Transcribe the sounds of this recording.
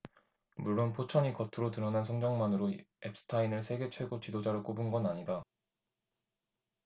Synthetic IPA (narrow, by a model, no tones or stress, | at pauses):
muɭːonpʰot͡ɕʰʌɲikʌtʰɯɾotɯɾʌnansʰʌŋd͡ʑʌŋmanɯɾoep̚s͈ɯ̥tʰainɯɭsʰe̞ɡe̞t͡ɕʰwe̞ɡot͡ɕidod͡ʑaɾɯk͈obunɡʌnaɲida